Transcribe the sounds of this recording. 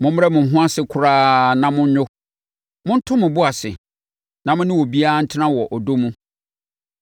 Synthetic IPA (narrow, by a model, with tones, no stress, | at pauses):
mʊ̃˦m˦ɾɛ˦mʊ̃˨ɦʊ̃˦a˦sɪ˨kʰʊ˦ɾaː˦nã˨mʊ̃˦ɲ˦ɲʊ˦ | mʊ̃˦n̩˦tʰʊ̃˦mʊ̃˨bʊ˦a˨sɪ̰˨ | nã˨mʊ̃˦nɪ̃˦wɔ˨bi˦a˦a˦n̩˦tʰɪ˦nã˦wɔ˨ʔɔ˨do˦mũ˦